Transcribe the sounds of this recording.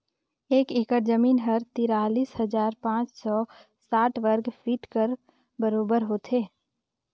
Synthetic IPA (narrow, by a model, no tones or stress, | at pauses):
eːkɪkəɾd͡ʒəmiːnɦəɾt̪iːɾaːliːshɐzaːɾpãːt͡ʃsɔ | saːʈʰʋəɾɡfʰiːʈkəɾ | bəɾoːbəɾɦoːt̪ʰeː